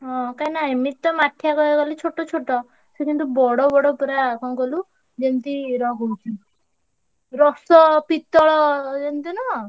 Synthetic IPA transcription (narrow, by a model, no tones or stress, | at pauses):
ɔ̃kajnaemit̪ːɔmaʈʰːjakɔɡɔlit͡ʃʰoʈɔt͡ʃʰoʈɔ | sekint̪ubɔɽɔbɔɽɔpuɾakɔnkɔlu | d͡ʒent̪iɾɔɡout͡ʃʰu | ɾɔsɔpit̪ɔɭɔd͡ʒent̪inɔ